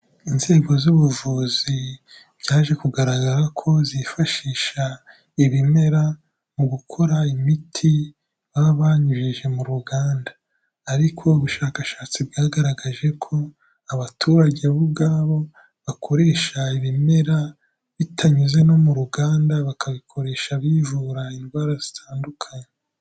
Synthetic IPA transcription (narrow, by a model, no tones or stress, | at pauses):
inze̞ːɡo̞zuβuvuːzi | β̥ɟaːʒe̞kuɡaɾaɡaɾakʰo̞zifaʃiːʃa | iβime̞ɾa | muɡukʰo̞ɾaimitʰi | βaβaɲuʒiʒe̞muɾuɡaːndḁː | ɾikʰo̞uβuʃaːkaʃaːt͡sibɡaːɡaɾaɡaʒe̞kʰo̞ | aβatʰuːɾaɟeβubɡaːβo̞ | βakʰo̞ɾe̞ːʃaiβime̞ɾa | βitʰaɲuze̞no̞muɾuɡaːndaβakʰaβikʰo̞ɾe̞ːʃaβiːʒuɾainwaɾazitʰaːndukʰaɲe